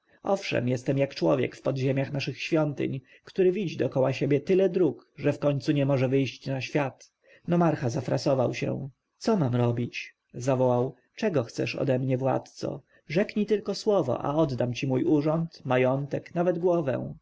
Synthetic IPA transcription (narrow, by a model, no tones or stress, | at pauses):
ʔɔfʂɛ̰mjɛst̪ɛmjakt͡ʂwɔvʲjɛ̰kfpɔd̪ʑemʲjaxnaʂɘxɕfʲjɔnt̪ɘ̰ɲ | kt̪uɾɘvʲid͡ʑid̪ɔkɔwaɕebʲjɛt̪ɘlɛd̪ɾukʐɛfkɔɲt̪suɲɛmɔʐɛvɘjɕt͡ɕnaɕfʲjat̪ | nɔmaɾxazafɾasɔvawɕɛ̰ | t̪ɔmamɾɔbʲit͡ɕ | zavɔwaw | t͡ʂɛɡɔxt̪sɛ̰ʂɔ̰d̪ɛmɲɛvwa̰t̪t̪sɔ̰ | ʐɛkɲit̪ɘlkɔswɔvɔ̰ʔa̰ɔd̪d̪amt͡ɕimujuʐɔnt̪majɔnt̪ɛknavɛd̪ɡwɔvɛ̰̃w̃